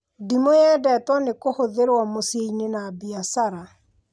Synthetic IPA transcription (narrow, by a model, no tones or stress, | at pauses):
dimojɛdɛtwɔnekohoðeɾwɔmosieinenabiasaɾa